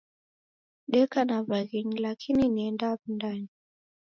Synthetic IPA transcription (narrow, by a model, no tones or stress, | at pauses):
ɗɛkanavaɣiŋlakʰininiɛndaːvundani